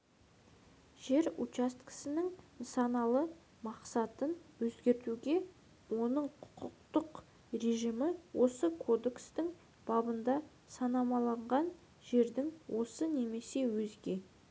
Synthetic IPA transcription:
ʒ̥e̞ɾut͡ʃast̪kə̥sɪnɪŋ | sɑnɑlˠə | mɑqsɑt̪ənwɵzɡʲe̞ɾt̪uɡʲe̞ | wo̞nəɴqʰʊqʰəq̚t̪əq | ɾe̞ʒimɪwʔo̞səkʰo̞d̪e̞kst̪ɪŋ | b̥ɑbənd̪ɑ | sɑnɑmɑlˠɑɴʁɑn | ʒe̞ɾd̪ɪŋwʔo̞səne̞me̞se̞wɵzɡʲe̞

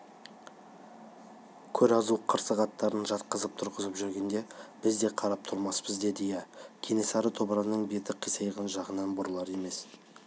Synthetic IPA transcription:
kʲʰɵɾɑzuqʰəɾsəʁɑt̪ːɑɾənʒɑt̪qəzəp̚t̪ʰʊɾʁəzəpʒʏɾɡʲe̞nd̪e̞b̥ɪzd̪e̞qʰɑɾɑp̚t̪ʰʊɾmɑspəzd̪e̞d̪ɪjekʲʰe̞ne̞sɑɾət̪ʰo̞bəɾɑnːəɴbet̪ɪqʰːijsɑjʁənʒɑʁənɑnbʊɾlˠɑɾe̞me̞s

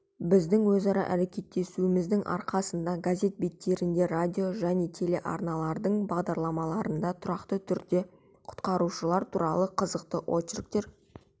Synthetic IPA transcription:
bɪzd̪ɪŋwɵzɑɾɑ̰ʔæɾe̞kʲe̞t̪ːe̞suɪmɪzd̪ɪŋʔɑ̰ɾqɑsənd̪ɑɡazʲe̞t̪̚bet̪ːe̞ɾɪnd̪e̞radʲijo̞ʒæne̞t̪ʰe̞le̞ʔɑ̰ɾnɑlˠɑɾd̪əɴbɑʁd̪ɑɾlˠɑmɑlˠɑɾənd̪ɑt̪ʰʊɾɑqt̪ət̪ʰʏɾd̪e̞ | qʰʊ̥t̪qɑɾuʃəlˠɑɾt̪ʰuɾɑlˠəqʰəzəqt̪əʔo̞t͡ʃrk̚t̪e̞ɾ

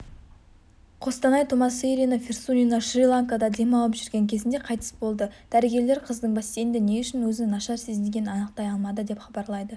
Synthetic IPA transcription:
qʰo̞st̪ɑnɑjt̪ʰomɑseɾʲinəfʲirsunʲinaʃrʲilˠaŋkad̪ɑd̪e̞mɑlˠəpʒʏɾɡʲe̞ŋkʲʰe̞zɪnd̪e̞qʰɑjt̪ʰə̥sbo̞lˠd̪əd̪̥æɾeɡʲe̞ɾle̞ɾqʰəzd̪əɴbɑst̪e̞jnd̪ene̞ʊʃɪnwɵzɪnɑʃɑɾse̞zɪnɡʲe̞nnɑnəq̚t̪ɑjɑlˠmɑd̪əd̪e̞pχɑbɑɾlˠɑjd̪ə

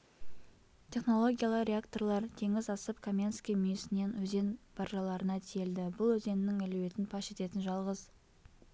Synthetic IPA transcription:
t̪ʲʰe̞χno̞lˠo̞ɡʲijalˠəqɾʲeakt̪o̞rlˠɑɾt̪ʰe̞ŋɪzɑsəpkʰomʲjanskʲijmʏjɪsɪne̞nwɵze̞nb̥ɑɾʒɑlˠɑɾənɑt̪ʲʰie̞ld̪ɪbʊlˠwɵze̞nɪnɪŋæluwe̞t̪ɪnpʰɑʃe̞t̪e̞t̪ɪnʒɑlˠʁəz

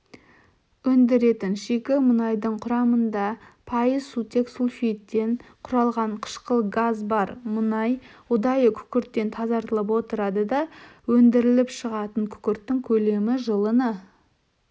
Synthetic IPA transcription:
ɵnd̪ɪɾe̞t̪ɪnʃekʲɪmənɑjd̪əɴqʰʊɾɑmənd̪ɑpʰɑjəzsut̪e̞ksulfijt̪ːe̞ɴqʰʊɾɑlˠʁɑɴqʰə̥ʃqəlˠɡazbɑɾmənɑjʊd̪ɑjəkʲʰʏ̥kʲɪɾt̪ːe̞nt̪ʰɑzɑɾt̪əlˠəp̬wo̞t̪əɾɑd̪əd̪ɑwɵnd̪ɪɾɪlɪpʃəʁɑt̪əɴkʲʰʏ̥kʲɪɾt̪ːɪŋkʲʰɵle̞mɪʒəlˠənə

